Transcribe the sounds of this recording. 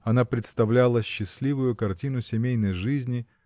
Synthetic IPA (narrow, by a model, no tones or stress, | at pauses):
ɐnapɾʲɪt̪st̪ɐvlʲalˠəɕːɪsʲlʲivʊjʊkɐrtʲinʊsʲɪmʲejnəjʐɨzʲnʲɪ